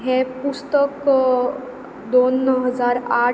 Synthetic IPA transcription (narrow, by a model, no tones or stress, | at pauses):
ɦɛpust̪ək | d̪onɦəd͡zaɾa